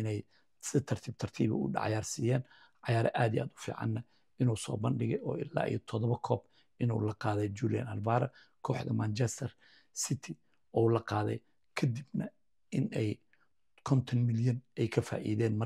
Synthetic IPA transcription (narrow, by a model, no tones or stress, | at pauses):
ɪnɛj | sɪt̪ʰɐrt̪ʰiːb̚t̪ʰɐrt̪ʰiːβɐ̰ʊ̰ɖɑ̰ʕjaːrsiːjɛːn | ʕɑjaːɾɐ̰ʔaːd̪iʔaːd̪ʊ̥fḭːʕɑ̰nːɐ | ɪnuːsɔ̰ːbɐnɖɪɣɛjɔːɪlːa̰ːʔḭjɐt̪ʰɔðɔβɐkʰɔːb | ɪnṵːlɐqɑːðɛd͡ʒuːlijɐ̰nɐlbaːɾɐ | kʰɔːħðɐ̰maːnt͡ʃɛst̪ʰɐr | sɪt̪ʰɪ | ɔulɐqɑːðɛ̰j | kʰɐd̪ibnɐ | ɪnɛj | kʰɔnt̪ʰɐnmɪljɐnɛjkʰɐfa̰ːʔḭːðɛːnmɐ